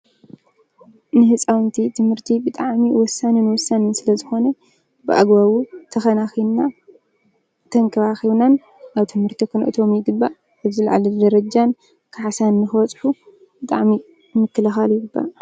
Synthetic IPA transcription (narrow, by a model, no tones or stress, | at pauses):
nɨhɨt͡sʼawnt̪ʰit̪ʰɨmhɨɾt̪ʰibɨt̪ʼaʕmiwɔsːanɨnwɔsːanɨnsɨlɐzɨxo̞nɐ | bɨʔa̰ɡbaβut̪ʰɐxɐnaxina | t̪ʰɐŋkʰɐβaxiβnan | ʔaβt̪ʰɨmhɨɾt̪ʰikʰɨnʔt̪ʰo̞mjɪɡɨbːaʔ | aβzɨlʕa̰lɨd̪ɐɾɐd͡ʒan | kʰɨʕasanːɨxɨwɔt͡sʼħu | bɨt̪ʼaʕmi | mɨkːɨlɐxaljɪɡɨbːa̰ʔ